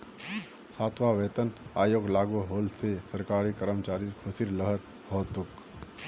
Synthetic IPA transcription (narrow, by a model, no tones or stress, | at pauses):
saːt̪ʰʋaʋeːt̪ənaːjoːɡlaːɡuɦoːlsesəɾkaːɾikəɾəmt͡ʃaːɾiɾkʰʊsiɾləɦəɾ | hoːt̪ʊk